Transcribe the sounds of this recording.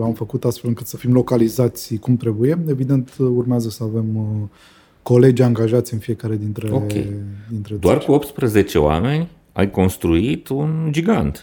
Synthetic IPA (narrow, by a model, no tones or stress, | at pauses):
amfəkut̪ast̪fe̞lɨŋkɨt̪səfimlo̞kalizat̪sʲkumt̪ɾe̞buje̞e̞vid̪e̞nt̪urmeazəsəave̞m | ko̞le̞d͡ʒʲaŋɡaʒat̪sʲɨnfije̞kaɾe̞d̪int̪ɾeokḛjd̪int̪ɾed̪oarkuo̞p̚t̪spɾəze̞t͡ʃe̞̰oa̰me̞nʲ | a̰jko̞nst̪ɾuit̪und͡ʒiɡant̪